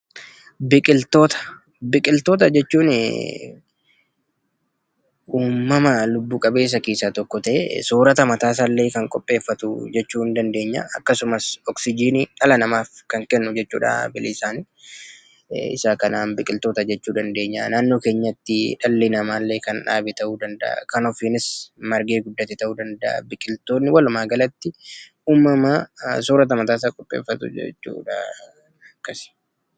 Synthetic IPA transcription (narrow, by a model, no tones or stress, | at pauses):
bɪkʼɪlt̪oːt̪ɐ̥ | bɪkʼɪlt̪oːt̪ɐd͡ʒɛt͡ʃːuːn | uːmːɐmɐlʊbːuːkʼɐbe̞ːs̬ːɐkiːsat̪ɔkːɔt̪ɐʔɛ̰suːɾɐt̪ɐmɐt̪aːs̬aːlːe̞ːkɐŋkʼɔpʼːe̞ːfːɐt̪ʊ̰d͡ʒɛt͡ʃːuːɪnd̪ɐnd̪e̞ːɲːɐɐkːɐsʊmɐsɔksɪd͡ʒiːniᶑɐlɐnɐmaːfkɐŋkɛnːʊd͡ʒɛt͡ʃːṵːᶑa̰ːbɪlɪsaːn | ɪ̰saːkɐnaːnbɪkʼɪlt̪o̞ːt̪ɐd͡ʒɛt͡ʃːuːd̪ɐnd̪e̞ːɲːa̰naːnːo̞ːkeːɲːɐt̪ːɪᶑɐlːiːnɐmaːlːe̞ːkɐnᶑa̰ːbɪt̪ɐʔuːd̪ɐnd̪ɐ̰ʔɐ̰kɐnɔfiːnɪsmɐɾɡeːɡʊd̪ːɐt̪ːɪt̪ɐʔuːd̪ɐnd̪ɐʔɐ̰bɪkʼɪlt̪o̞ːnːɪwɐlʊmaːɡɐlɐt̪ːɪʔuːmːɐmas̬uːɾɐt̪̬ɐmɐt̪aːs̬aːkʼɔpʼːḛːfːɐt̪ʊ̰ɛ̰t͡ʃːṵːᶑɐ̰ | ɐkːɐs